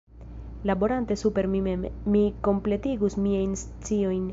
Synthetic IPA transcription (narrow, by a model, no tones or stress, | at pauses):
labo̞ɾante̞supe̞ɾmimemmiko̞mple̞tiɡusmiajns | t͡sio̞jn